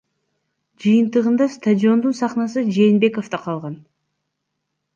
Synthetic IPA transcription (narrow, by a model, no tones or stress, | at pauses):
d͡ʒɯjɯnt̪ɯʁɯnd̪ɑst̪adʲio̞nd̪unsɑχnɑsɯd͡ʒe̞ːnbe̞ko̞ft̪ɑqʰɑlˠʁɑn